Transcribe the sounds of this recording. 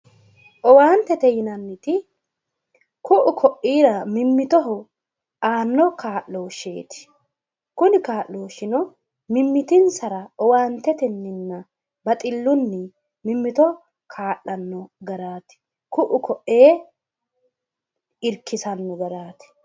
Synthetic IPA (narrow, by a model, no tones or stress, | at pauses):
ʔɔwaːnt̪ɛt̪ɛjɪnɐnːɪt̪ɪ | kʊʔʊkʰɔʔiːɾɐmɪmːɪt̪ɔɦʊ | aːnːɔkʰaːʔlo̞ːʃːḛːt̪ɪ̥ | kʊnɪkaːʔlːo̞ːʃɪnɔ | mɪmːɪt̪ɪnsɐɾɐɔwaːnt̪ɛt̪ɛnːɪnːɐ | bɐt̪ʼɪlːʊnːɪ | mɪmːɪt̪ɔ | kʰaːʔɐnːɔɡɐɾaːt̪ɪ̥ | kʊʔʊkɔʔːeː | ɪɾkɪsɐnːɔɡɐɾaːt̪ɪ̥